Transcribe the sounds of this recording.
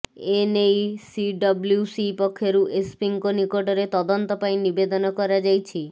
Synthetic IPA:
enejsiɖɔblusipɔkʰːeɾuʔespiŋkonikoʈɔɾet̪ɔd̪ɔnt̪ɔpaj̃nibed̪ɔnɔkɔɾad͡ʒajt͡ʃʰi

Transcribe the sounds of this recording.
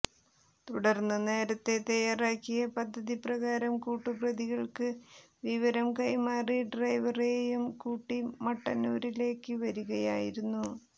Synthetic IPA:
t̪uɽɐrnːɐne̞ːɾɐt̪ːe̞t̪ɐjaːraːkːijɐpɐd̪ʱːɐðiprɐɣaːɾɐmkuːʈːɨprɐðiɣɐɭkɨ | ʋiʋɐɾɐmkɐjmaːriɖrɐjʋɐrejumkuːʈːimɐʈːɐnuːɾile̞ːkːɨʋɐɾuɣɐja̰ːjiɾunːu

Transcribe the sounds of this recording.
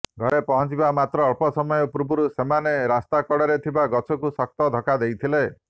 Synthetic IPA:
ɡʱɔɾepɔɦɔ̃t͡ʃibamat̪ɾɔːɭpɔsɔmɔjɔpuɾbuɾusemaneɾast̪akɔɽɔɾet̪ʰibaɡɔt͡ʃʰɔkusɔk̚t̪ɔd̪ʱɔkad̪ejt̪ʰile

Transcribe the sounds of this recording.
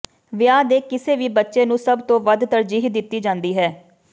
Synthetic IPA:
ʋɪjaːd̪eːkɪseːʋiːbətːʃeːnũːsəbt̪õːʋəd̪t̪əɾd͡ʒiːɦd̪ɪt̪ːiːd͡ʒãːnd̪iːɦɛː

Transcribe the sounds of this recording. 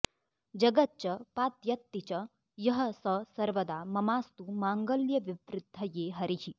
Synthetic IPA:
d͡ʒɐɡɐt̪̚t͡ʃɐpaːt̪jɐt̪ːit͡ʃɐ | jɐɦɐ̆sɐsɐɾʋɐd̪aːmɐmaːst̪umaːŋɡɐljɐʋiʋɾɪd̪ʱːɐjeːɦɐɾiɦi

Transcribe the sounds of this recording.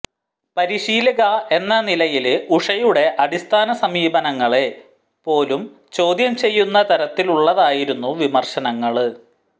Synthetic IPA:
pɐɾiɕiːlɐɣɐe̞nːɐnilɐjiluʂɐjuɽe̞ʔɐɽist̪ʰaːnɐsɐmiːbɐnɐŋːɐɭe̞ | po̞ːlum | t͡ɕo̞ːd̪jɐmt͡ɕe̞jːunːɐt̪ɐɾɐt̪ːiluɭːɐðaːjiɾunːuʋimɐrɕɐnɐŋːɐɭɨ

